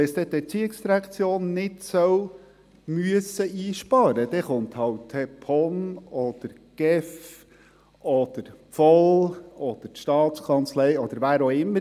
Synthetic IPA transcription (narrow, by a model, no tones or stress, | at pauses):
ɛsdt̪ɛt̪ɛɾt͡siɪksd̥̪iɾækt͡sjoːnːɪtsœw | myəsəʔiːʃpɑɾəd̥̪ɛχʊnthɑwthɛpʰɔnɔd̪̥əɾ | ɡ̥ɛf | ʔɔd̪̥əɾpfɔlɔd̪̥əɾtʃtɑːt̪skʰɑnt͡slɛjɔd̪əɾʋæːɾoɪmːə